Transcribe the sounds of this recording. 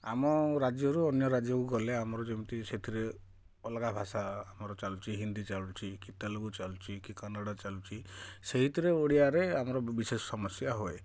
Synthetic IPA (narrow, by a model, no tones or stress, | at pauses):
a̰mɔɾad͡ʒjɔɾuɔnjɔɾad͡ʒjɔkuɡɔleamɔɾɔd͡ʒemit̪iset̪ʰiɾe | ɔlɡabʱasaːmɔɾɔt͡ʃalut͡ʃʰiɦind̪it͡ʃalut͡ʃʰikit̪alokut͡ʃalut͡ʃʰikikanaɽat͡ʃalut͡ʃʰiseɦit̪ʰiɾeoɽiaɾeamɔɾɔbisesɔ̥sɔmɔsjaɦoe